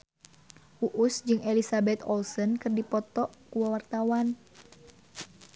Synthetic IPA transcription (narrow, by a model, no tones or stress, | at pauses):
ʔuʔusd͡ʒɨŋelisabɛt̪ɔlsənkɨrdipɔt̪ɔʔkuwawart̪awan